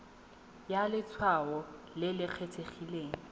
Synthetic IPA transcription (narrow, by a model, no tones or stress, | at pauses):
jalɪt͡sʰwaɔ | lɪlɪq͡χʰet͡sʰeχileːŋ̩